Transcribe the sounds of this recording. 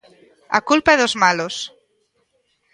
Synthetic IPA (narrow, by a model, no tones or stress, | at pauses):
a̰kulpaeðozmalos